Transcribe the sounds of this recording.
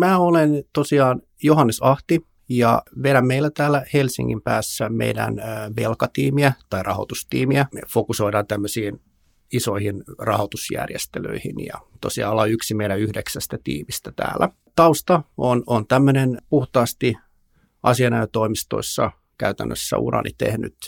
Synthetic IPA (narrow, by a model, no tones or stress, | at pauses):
mæːolent̪osiɑːn | johɑnːesɑht̪i | jɑ̰ʋeɾæmmeilːæt̪æːlːæhelsḭŋːimpæːsːæmḛidæ̰nʋelkɑt̪iːmiæt̪ɑirʔɑ̰ho̰t̪ust̪ḭːmiæfokusoiɾɑːnt̪æmːøsiːn | isoihinrɑhot̪usjæ̰rjḛst̪elø̰ihinjɑ̰t̪o̰siɑ̰lːɑyksimeiɾæyhdeksæst̪æt̪ḭːmist̪æt̪æ̰ːlːæ | t̪ɑust̪ɑonont̪æmːønenpuht̪ɑːst̪i | ɑsiɑnæøt̪oimist̪o̰isːɑ | kæyt̪æ̰nːø̰sːæ̰ṵɾɑ̰nʔḭt̪ḛhny̰t̪